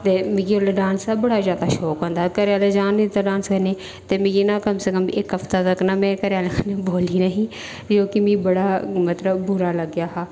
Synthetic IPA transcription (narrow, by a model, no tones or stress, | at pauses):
t̪eːmĩɡioleɖãːnsaːbɐɽaːzjaːd̪aʃɔːkɦõnd̪akəɾjaːled͡ʒaːnit̪aɖãːnskɐneː | t̪eːmĩɡinaːkəmsekəmɪkɐft̪at̪ɐknaːmɛ̃ːkəɾjaːlekʰːneboːliːnəɦĩː | d͡ʒoːkimĩːbəɽaːmɐt̪ləbbʊɾaːlɐɡjaːɦaː